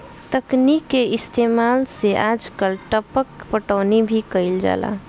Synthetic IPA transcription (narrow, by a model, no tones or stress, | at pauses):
t̪əknikːeɪst̪emalseʔad͡ʒkəlʈəpəkpəʈəːnibʱikəɪld͡ʒa̰la̰